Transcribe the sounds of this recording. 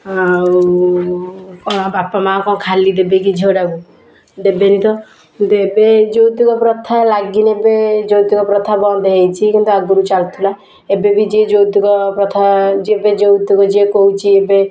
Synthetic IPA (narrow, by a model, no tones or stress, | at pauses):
kɔ̃bapamãkɔ̃kʰalid̪ebek̬id͡ʒʱewɖaku | d̪ebenit̪ɔ | knd̪uebed͡ʒowt̪ikɔpɾɔt̪ʰalaɡinebed͡ʒowt̪ikɔpɾɔt̪ʰabɔnd̪ʱɦejt͡ʃʰikint̪uaɡuɾut͡ʃalt̪ʰula | ebebid͡ʒed͡ʒot̪ikɔpɾɔt̪ʰad͡ʒebed͡ʒout̪ukɔd͡ʒekoɦut͡ʃʰiebe